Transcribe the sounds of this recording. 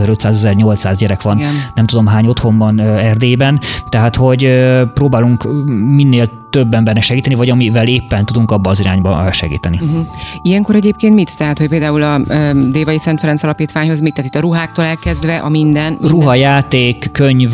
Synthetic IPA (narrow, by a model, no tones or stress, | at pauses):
zɛɾø̞t̪saːzɛzɛrɲo̞lt̪saːzɟɛɾɛkʋɒnnɛmt̪ud̪o̞mɦaːɲo̞t̪ho̞mbɒnøɛrd̪eːbɛnt̪ɛɦaːt̪ho̞ɟøproːbaːluŋkminːeːlt̪øbːɛmbɛnːɛʃɛɡiːt̪ɛnivɒɟɒmivɛleːpːɛnt̪ud̪uŋkɒbːɒːziɾaːɲbɒ̰ʃɛ̰ɡḭːt̪ɛniɦijɛŋkoɾɛɟeːp̚keːnt̪mit̪ːɛɦat̪hoc̚peːld̪aːulɒøːd̪eːvɒjisɛnt̪fɛɾɛnt̪sɒlɒpiːt̪ʋaːɲho̞zmit̪ːaːt̪it̪ːɒɾuɦaːk̚t̪oːlɛlkɛzd̪ʋɛʔɒmind̪ɛnruɦɒjaːt̪eːkːøɲv